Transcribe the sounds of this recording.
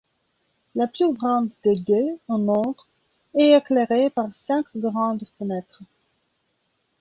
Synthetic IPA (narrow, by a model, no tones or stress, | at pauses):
laplyɡʁɑ̃d̪d̪ed̪eɑ̃nɔ̃d̪ʁ | ɛekleʁepaʁsɛ̃kɡʁɑ̃d̪fənɛt̪χ